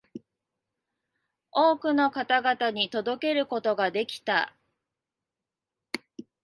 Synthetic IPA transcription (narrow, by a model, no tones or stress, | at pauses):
oːkɯ̟no̞kat̪aɡat̪aɲ̟it̪o̞d̪o̞ke̞ɾɯ̟ko̞t̪o̞ɡad̪e̞kʲi̥t̪a̰